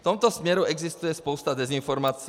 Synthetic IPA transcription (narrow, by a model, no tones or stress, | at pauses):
t̪ɔmt̪ɔsmjɛɾuɛɡzist̪ujɛspɔʊst̪ad̪ɛzinfɔɾmaːt͡si